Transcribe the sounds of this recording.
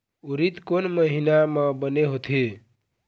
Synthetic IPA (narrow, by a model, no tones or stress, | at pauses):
uɾit̪konməɦinamə̃bəneɦot̪ʰe